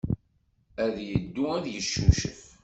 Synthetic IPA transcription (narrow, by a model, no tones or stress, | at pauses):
æðjəd̪ːuæðjəʃːuʃə̰f